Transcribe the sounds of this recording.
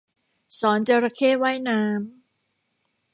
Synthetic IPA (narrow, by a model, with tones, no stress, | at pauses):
sɔː˩˦nt͡ɕa˧ɾa˧kʰeː˥˩waː˥˩jnaː˦˧˥m